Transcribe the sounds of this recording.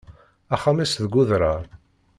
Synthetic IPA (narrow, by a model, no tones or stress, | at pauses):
æχamisðɡʊðɾaɾ